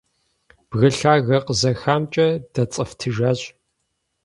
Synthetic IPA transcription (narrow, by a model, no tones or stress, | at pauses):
b̥ɣɐɬaːɣɐqəzɐxaːmt͡ʃʼɐdɐt͡sʼɐftʰɨʒaːɕʼ